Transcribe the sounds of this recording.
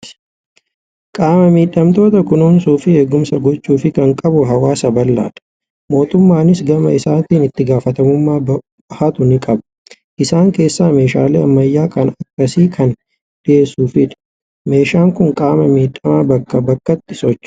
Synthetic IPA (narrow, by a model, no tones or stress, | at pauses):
kʼaːmɐmiːᶑːɐmt̪o̞ːt̪ɐkʊnuːnsuːfɪeːɡːʊmsɐɡɔt͡ʃːuːfɪkɐŋkʼɐbʊɦɐwaːsɐbɐlːa̰ːᶑɐ̥ | mo̞ːt̪ʊmːaːnɪsɡɐmɐɪsaːnt̪iːnɪt̪ːɪɡaːfɐt̪ɐmʊmːaːb | hɐt̪ʊnɪkʼɐbɐ̥ | ʔɪsaːŋke̞ːsːaːme̞ːʃa̰ːleːɐmːɐjːaːkɐnɐkːɐsiːkʰɐn | ᶑ̥ɪe̞ːsːuːfɪᶑɐ̥ | me̞ːʃaːŋkʊŋkʼaːmɐmiːᶑːɐmaːbɐkːɐbɐkːɐt̪ːɪsɔt͡ʃː